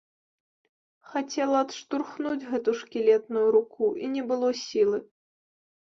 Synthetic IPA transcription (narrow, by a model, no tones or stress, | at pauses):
xat͡sʲɛlˠɐɐt̪ʂt̪urxnud͡zʲɣɛt̪uʂkʲilʲɛt̪nujuɾukʰuʔinʲɛbɨlˠɔsʲilˠɨ